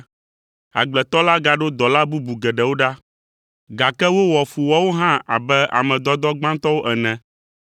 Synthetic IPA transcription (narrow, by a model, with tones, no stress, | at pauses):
a̰˨ɡ͡blɛ˨t̪ɔ˦la˦ɡa˨ɖo˦d̪ɔ˨la˦bu˦bu˨ɡɛ˨ɖɛ˨wo˦ɖa˦ | ɡa˨kɛ˦wo˦wɔ˨fu˨wɔ˦wo˦ɦã˦a̰˨bɛ˦ʔa̰˨mɛ̃˨d̪ɔ˦d̪ɔ˦ɡ͡bã˦t̪ɔ˦wo˦ʔɛ˨nɛ̃˨